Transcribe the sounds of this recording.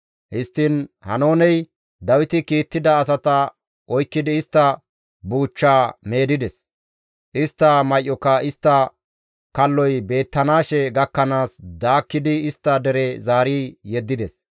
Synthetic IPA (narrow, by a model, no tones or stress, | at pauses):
hɪst̪ːɪnhɐ̰no̞ːnɛj | d̪ɐwɪt̪ɪkiːt̪ːɪd̪ɐːs̬ɐt̪ɐ | ʔɔjkːɪd̪ɪːst̪ːɐ | buːt͡ʃːaːme̞ːd̪ɪd̪ɛs | ʔɪst̪ːɐmɐjʔːɔkːɐɪst̪ːɐ | kɐlːɔjbe̞ːt̪ːɐnaːʃɛɡɐkːɐnaːsd̪aːkːɪd̪ɪɪst̪ːɐd̪ɛɾɛzaːɾiːjɛd̪ːɪd̪ɛs